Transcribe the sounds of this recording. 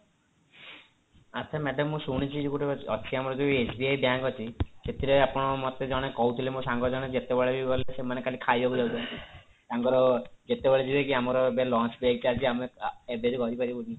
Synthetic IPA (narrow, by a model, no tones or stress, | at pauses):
at̪ʰamɛɖɔmːũsuɽ̃it͡ʃʰid͡ʒukuʈeɔ̰t͡ʃʰiamɔɾɔd͡ʒuesbiajbjaŋkɔt͡ʃʰiset̪ʰiɾeapɔɽ̃ɔmɔt̪ed͡ʒɔɽ̃ekɔɦut̪ʰilemusaŋɡɔd͡ʒɔɽ̃ed͡ʒet̪ebeɭed͡ʒibbɔlesemanekalikʰajoɡulɔut̪ɔi | saŋɡɔɾɔd͡ʒet̪ebeɭed͡ʒibekiamɔɾɔebelɔnsbek̚t͡ʃaɾd͡ʒʰiameebed͡ʒikɔt̪ipaɾibuni